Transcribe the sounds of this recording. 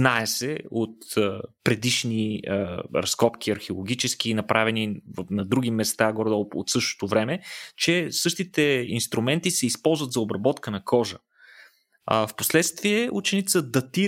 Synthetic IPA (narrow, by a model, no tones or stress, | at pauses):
naɛsɛot̪əpɾɛd̪iʃniəɾɐskɔpk̟iɐɾxeolˠoɡ̟ʲit͡ʃɛsk̟iːnɐpɾʔavɛnivnɐd̪ɾuɡ̟ʲimɛst̪aɡɔɾd̪ɔlˠo̰t̪sɤʃt̪o̥t̪ovɾɛmɛt͡ʃɛsɤʃt̪it̪ɛinst̪ɾumɛnt̪isɛispɔlˠzvət̪zɐobɾɐbɔt̪kənɐkʰɔʒə | fpo̥slɛt̪st̪viɛʔut͡ʃɛnit̪səd̪ɐt̪iɾ